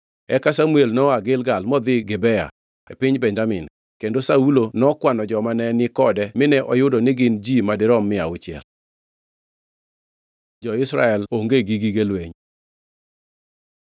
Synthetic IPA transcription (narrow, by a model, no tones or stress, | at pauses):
ɛkasamuelnɔaɡɪlɡalmɔd̪ɪɡebɛja̰ | ḛpɪɲbɛɲd͡ʒamɪn | kendosaulonɔkwanɔd͡ʒɔmanɛnɪkɔdɛmɪnɛʔɔjʊdɔnɪɡɪnd͡ʒimadɪɾɔmːɪaʊt͡ʃɪɛ̰l | d͡ʒɔɪsɾa̰ɛloŋɡeɡiɡiɡelweɲ